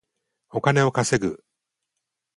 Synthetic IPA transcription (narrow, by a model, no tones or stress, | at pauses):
o̞kane̞o̞kase̞ɡɯ̰